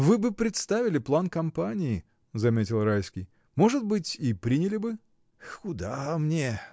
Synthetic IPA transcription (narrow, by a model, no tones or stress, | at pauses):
vɨbɨpɾʲɪt̪st̪avʲɪlʲɪplˠankɐmpanʲɪɪ | zɐmʲetʲɪlˠrajskʲɪj | mo̞ʐɨt̪̚bɨtʲipɾʲinʲɪlʲɪbɨ | kʊd̪amnʲe